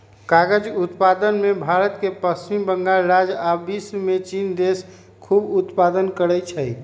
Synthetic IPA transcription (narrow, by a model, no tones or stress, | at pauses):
kaɡəd͡ʒut̪pad̪ənmebʱaɾət̪kepəst͡ʃimbəŋɡalɾad͡ʒabismet͡ʃind̪es | kʰubut̪pad̪ənkəɾəjt͡ʃʰəj